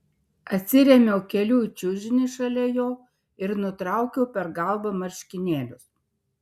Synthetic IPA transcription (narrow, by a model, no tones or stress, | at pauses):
ɐt̪ʲsʲɪɾʲɛmʲɛʊkʲɛlʲuːt͡ʃʲʊʒʲɪnʲɪʃɐlʲɛjoː | ɪɾnʊt̪ɾɑˑʊkʲɛʊpʲɛɾɡɐlˠbɐmɐɾʲʃʲkʲɪnʲeːlʲʊs